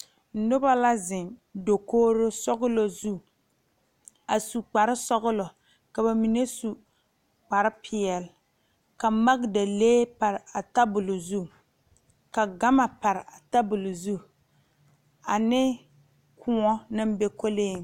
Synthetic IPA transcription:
n̩˨˦nʊ˦ba˦la˦zɪ˨mdo˨koː˦ɾo˦sɔ˦ɣʊ˦lo˨zu˦ | a˨su˨k͡pa˨ɾɪ˦sɔ˦ɣʊ˦lo˨ | ka˨ba˨mi˨ne˦su˨ | k͡pa˨ɾɪ˦pʰɪ˨ɛ˨l | ka˨ma˦ɡda˨leː˦pa˨ɾɪ˨a˨ta˦bʊ˨lo˨zu˦ | ka˨ɡa˦ma˨pa˨ɾɪ˨a˨ta˦bʊ˨lʊ˨zu˦ | a˨nɪ˦ | kʰʊ˦ɔ˦nɨ˦m˦be˦ko˦leː˦˨

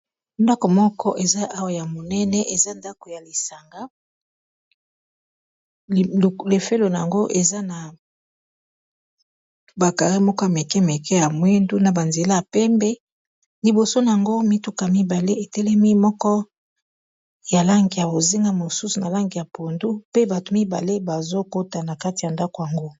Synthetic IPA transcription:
ndɔ˦kɔ˨mɔ˦kɔ˦ʔe˨za˦ʔa˦wa˦ja˨mo˨nɛ˦nɛ˦ʔe˨za˦nda˦ko˨ja˨li˨sa˨ŋɡa˦˨ | le˨fe˦lo˨na˨a˨ŋɡo˦ʔe˨za˦na˨ | ba˨ka˨ʁi˦mɔ˦kɔ˦a˨mɛ˨kɛ˦mɛ˨kɛ˦ja˨mwe˦ndu˦na˨ba˨nze˨la˦a˨pɛ˦mbɛ˦ | li˨bo˨so˦na˨a˨ŋɡo˦mi˦tu˦ka˨mi˦ba˨le˦e˨tɛ˦lɛ˦mi˦mɔ˦kɔ˦ | ja˨la˦ŋɡi˨ja˨bo˨zi˦ŋɡa˦mo˨su˦su˨na˨la˦ŋɡi˨ja˨po˨ndu˦pe˦ba˨to˨mi˦ba̰˨le˦ba˨zo˦ko˦ta˨na˨ka˦ti˨a˨nda˦ko˨ja˨ŋɡo˦

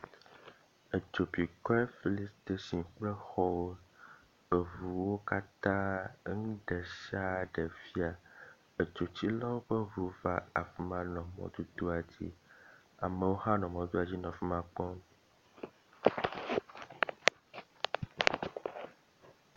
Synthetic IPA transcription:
ə˨d͡ʒo˨pi˨kɔ˦ɛ˦fi˦li˦st̪e˦si˨ŋ˦k͡plɛ˦xɔ˦wo˦ | ə˨vu˨wo˦ka˦t̪ã˦ŋũ˦ɖɛ˨ʃa˦ɖe˨fi˦a˨ | e˨t͡ʃo˨t͡ɕi˦lɔ˦wo˦ɸe˦vu˨va˦a˨fi˨mã˨nɔ̃˨mɔ̰̃˨d̪u˦d̪o˦a˨d͡ʑḭ˦ | a̰˨mẽ˨wo˦ha˦nɔ̃˨mɔ̃˨d̪u˦a˨d͡ʑi˦nɔ̃˨fi˦mã˨k͡pɔ̃˦m

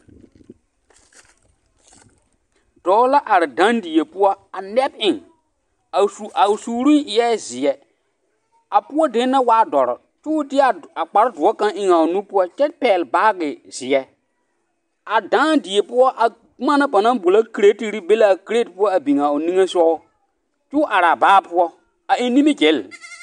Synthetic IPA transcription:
d̥ɔː˨˦la˦ʔa˨ɾɪ˨dã˦ndi˨e˨pʊ˦ɔ˦a˨nɛ˦b̚ɪ˨ŋ˨ | a˨suː˨ɾu˦ʔɪ˨jɛ˦˨zɪ˨ɛ˨ | a˨pʊ˦ɔ˦de˦nːa˦waː˦dɔ˨ɾɔ̰˨ | t͡ʃʊ˦tɪ˦a˨a˨k͡pa˨ɾɪ˦dʊ˨ɔ˦kã˦ŋʔɪ˨ŋa˨ʊ˨nũ˦pʊ˦ɔ˦t͡ʃɛ˦pɛː˨lbaː˦ɡɪ˨z̥ɪ˨ɛ˦ | a˨dã˦dɪ˨e˨pʊ˦ɔ˦ʔa˨˦ | ma˦na˦ba˨nã˦bo˨la˦ki˨ɾe˦ti˨ɾi˦be˦la˨ki˦ɾe˦d̚pʊ˦ɔ˦a˨bi˨ŋ˨a˨ʊ˨nĩ˦ŋe˦sɔ˦ʊ˦ | t͡ʃʊ˦ʔa˨ɾa˨baː˦pʊ˦ɔ˦ | a˨ʔi˦nĩ˦me˦ɡe˨˦l

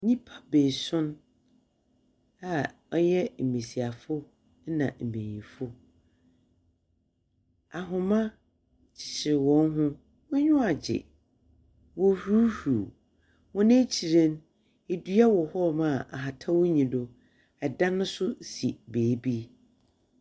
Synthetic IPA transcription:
ɲĩ˦pʰḁ˦be˨sʊ̃˦n | a˨ | ɔ˦jɛ˦m̩˨mĩ˨si˨a˨fʊ˦ | nã̰˨m̩˨mẽ˨ɲ˨ĩ˨fʊ˦ | a˨ɦʊ̃˨mã˦ | t͡ɕʰɪ̥˨ɕɪ˨ɾɪ˨wɔ̃˨˦n˦ɦʊ̃˦ | wʊ˦ɲᶣʊ̃˦a˨d͡ʑɪ̰˨ | wɔ˨hu˦huː˨ | wɔ̃˦nẽ˦t͡ɕʰi˨ɾẽ˦n | e˨du˦a˦wɔ˨hɔ˦mã˦˨ʔa̰˨ɦa˨tʰa˦wʊ˦ɲĩ˨dʊ˨ | ɛ˨dã˦nʊ̃˦sʊ˦si˨beː˨˦˨bi˦

